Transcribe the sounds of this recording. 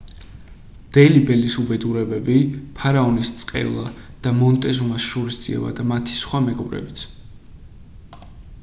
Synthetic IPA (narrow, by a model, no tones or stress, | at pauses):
d̪̥ɛlibɛlisubɛd̪uɾɛbɛbipʰaɾaɔnist̪sʼqʼɛ̰vlˠad̪̥amɔnt̪ʼɛzumasʃuɾisd̪z̥ʼḭɛ̰ba̰d̪amat̪ʰi̥sχwamɛɡɔbɾɛ̰bit̪sʰ